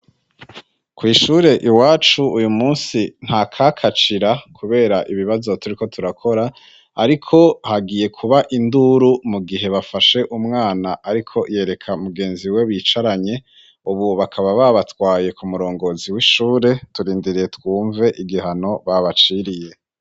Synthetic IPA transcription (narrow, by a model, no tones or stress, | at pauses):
kwiːʃuːɾe̞ʔiwaːt͡ʃuujumuːsin̥hakʰakʰat͡ʃiɾakʰuβe̞ːɾaʔiβiβazo̞tuɾiko̞tuɾakʰo̞ɾaː | ɾikʰo̞haɡiːje̞kʰuβaʔinduɾumuɡiɦe̞βafaʃe̞ʔumŋaːnaʔaɾikʰo̞je̞ːɾe̞kʰamuɡe̞ːnziwe̞βiːt͡ʃaɾaɲe̞ | uβuβakʰaβaβaβatwaːje̞kumuɾo̞ːŋɡo̞ziwiʃuːɾe̞tuɾiːndiɾije̞twuːɱve̞ʔiɡiɦano̞βaβat͡ʃiɾije̞